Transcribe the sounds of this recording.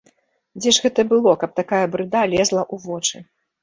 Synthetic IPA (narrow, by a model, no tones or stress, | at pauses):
d͡zʲɛʐɣɛt̪ɐbɨlˠɔkɐp̚t̪akajɐbɾɨd̪alʲɛzlˠɐʔuvɔt͡ʂɨ